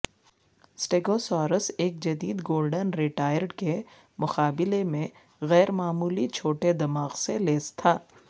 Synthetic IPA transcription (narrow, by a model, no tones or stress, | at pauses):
sʈeːɡosɔːɾəseːk̚d͡ʒɐd̪iːd̪ɡoːlɖənɾɪʈaːjəɾɖke | mʊxaːbɪlemẽ | ɣɛːɾmaːmuːlit͡ʃʰoːʈed̪ɐmaːɣseleːst̪ʰaː